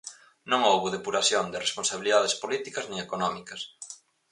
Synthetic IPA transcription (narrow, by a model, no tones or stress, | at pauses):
nõŋowβuðepuɾaθjond̪ɪresponsaβiliðaðespolit̪ikɐznɪ̃ŋekonɔmikɐs